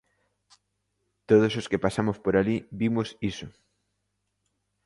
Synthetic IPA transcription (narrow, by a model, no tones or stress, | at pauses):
t̪oð̞ososkepasamospoɾaliβimʊsiso